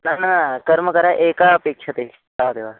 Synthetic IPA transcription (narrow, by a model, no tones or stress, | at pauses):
nananakəɾməkɐɾaʔekapeːkʂɐt̪e | kaʋt̪eʋa